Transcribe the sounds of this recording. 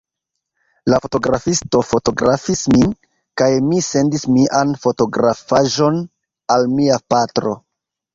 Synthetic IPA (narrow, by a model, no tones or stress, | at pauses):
lafo̞to̞ɡɾafisto̞fo̞to̞ɡɾafismi | kajmise̞ndismiʔanfo̞to̞ɡɾafaʒo̞n | almiapatɾo̞̰